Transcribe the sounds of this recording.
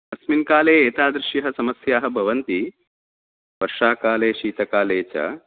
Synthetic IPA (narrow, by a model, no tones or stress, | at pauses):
ɐsminkaːleːeːt̪aːd̪ɾɪʃjɐɦɐsɐmɐsjaːɦɐ̆bʱɐʋɐnt̪i | ʋɐɾʂaːkaːleːʃiːt̪ɐkaːleːt͡ɕa̰